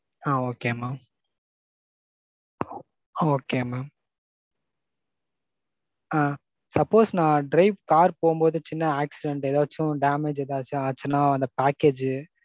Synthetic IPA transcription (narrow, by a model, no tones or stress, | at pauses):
aːoːkeːmaːm | oːkeːmaːm | aː | sɐpːoːsnãːɖɾɐɪʋkaːɾpoːɯmboːðɯt͡ʃɪnːɐaːksɪɖɛɳʈɛðaːɐt͡ʃːʊ̃ɖaːmeːd͡ʒɛðaːt͡ʃːɯaːt͡ʃːɪnːãːɐnd̪ɐpaːkeːd͡ʒ